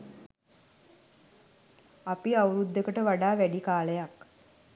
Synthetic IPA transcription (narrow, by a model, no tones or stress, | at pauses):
apiawɾud̪ːekəʈəʋaɖaːʋæɖikaːləjak